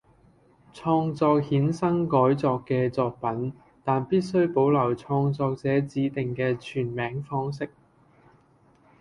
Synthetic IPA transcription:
t͡sʰɔː˧ŋt͡sɔː˧k̚hiː˨˥nsɐ˥ŋkɔː˨˥jt͡sɔː˧kːɛː˧t͡sɔː˧k̚pɐ˨˥n | t̪aː˨npiː˥t̚sɵ˥ɥpo˨˥wlɐ˨˩wt͡sʰɔː˧ŋt͡sɔː˧k̚t͡sɛː˨˥t͡siː˨˥t̪ɪ˨ŋkɛː˧t͡ʃʰyː˨˩nmɛː˨˥ŋfɔː˥ŋs̬ɪ˥k̚

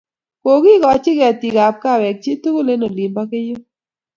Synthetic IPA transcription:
ko˨ki˦kɔ˨t͡ʃɪ˦kti˨ɡa˨p̚ka˦˨wɛ˨k̚t͡ʃi˦tu˦ko˦le˦no˨li˨mba˦ke˦jo˦

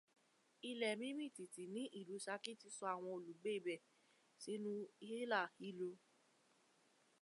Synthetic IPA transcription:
i˧lɛ˨mĩ˦mĩ˦˨ti˨ti˨nĩ˨˦ʔi˦˨lu˨˦ʃa˧ki˦ti˦sɔ˧a˦˨w̃ɔ̃˧o˨lu˨ɡ͡be˦i˦˨bɛ˨ | si˨˦nũ˦i˧˦he˦la˦˨hi˨˦lo˧

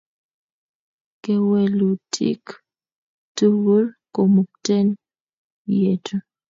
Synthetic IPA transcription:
ke˨we˨lu˨tʰḭ˦k | tu˦wu˦lko˨mu˨k̚tɛ˦n | je˨tu˦

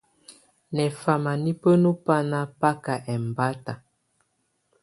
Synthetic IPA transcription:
nɛ˨fa˨ma˨ni˦pə˦nu˦pa˦na˦pa˦ka˨ʔɛ˨m˨ba˦ta˨

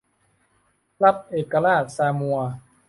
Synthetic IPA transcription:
la˦˥t̚ʔeː˨˩kːa˧ɾaː˥˩t̪̚saː˧mu˧ɐ

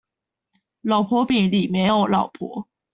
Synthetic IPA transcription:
lɑ˨˩ʊpʰwɔ˧˥pi˨˩ŋli˨˩mjɛ˧˥no˨˧˩ʊlɑ˨˩ʊpʰwɔ̰˧˥˦

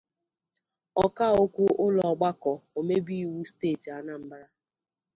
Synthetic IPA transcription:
ɔ˦ka˦˨o˦kʷu˦ʊ˦lɔ˨ɡ͡ba˦kɔ˨o˨me˦bi˦i˦˨wu˦steː˦˨ti˨a˨na˦m̩˦bɾa˦

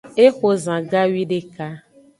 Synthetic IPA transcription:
e˦xo˦zã˨ɡa˦wi˦ɖe˦ka˦

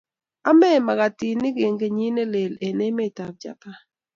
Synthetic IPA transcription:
a˦mɛ˦˨ma˨ɣa˨ti˨nɪ˦ɡe˨ŋɡe˨ɲi˦ne˦le˨le˨ne˦me˦˨ta˨b̚d͡ʒa̰˨pa˦

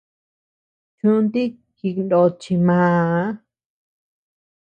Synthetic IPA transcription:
t͡ʃũ˦nt̪i˦ | ki˧˨kndo˧˨t͡ʃi˧mãː˨˧a˦

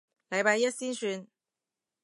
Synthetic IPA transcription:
lɐ˨˧jpaː˧jjɐ˥t̚siː˥nsyː˧n

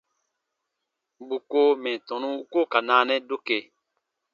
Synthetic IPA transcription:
bu˨ko˦mɛ̃˨tɔ̃˨nũ˦u˦ko˦˨ka˨nãː˨˦nɛ̃˦do˦ke˨

